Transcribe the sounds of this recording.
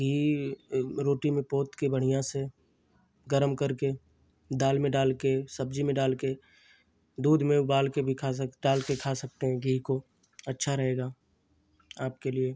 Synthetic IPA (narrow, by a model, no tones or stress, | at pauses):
ɡʱiː | ɾoːʈimẽpoːt̪kebəɽ̤ijãse | ɡəɾəmkɐɾke | d̪aːlmẽɖaːlkesɐb̚d͡ʒimẽɖaːlke | d̪uːd̪ʱmẽʊbaːlkebʱikʰaɖaːlkekʰasɐk̚t̪eɦɛ̃ɡʱiːko | ɐtːʃʰaɾɐɦeːɡaː | aːp̚kelie